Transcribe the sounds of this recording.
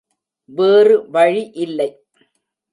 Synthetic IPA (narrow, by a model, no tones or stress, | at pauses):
ʋeːrɯʋɐɻiʔɪlːɐɪ